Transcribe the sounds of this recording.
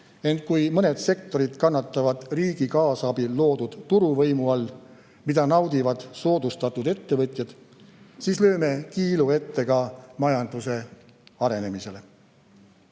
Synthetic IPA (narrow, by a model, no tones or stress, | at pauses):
e̞nt̪̚kujmɤne̞d̪̥se̞kt̪o̞ɾid̪̥kɑnːɑt̪ːˑɑvɑd̪̥riːɡ̥ikɑːsɑbilːo̞ːd̪ud̪̥t̪ːuɾuvɤ̞jmuɑlː | mid̪ɑnɑwd̪̥ivɑd̪̥so̞ːd̪ust̪ɑt̪ːˑud̪e̞t̪ːe̞vɤt̪ʲˑjɑd̪̥ | siːslø̞ːme̞kiːlue̞t̪ːe̞ɡ̥ɑmɑjɑnd̪̥use̞ | ɑɾe̞ne̞mise̞le̞